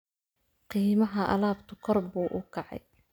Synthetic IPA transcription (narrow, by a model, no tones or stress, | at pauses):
qiːmɐɦɐʔɐ̰laːbt̪ʰʊkʰɔrbuːʔʊkʰɑʕɑ̰j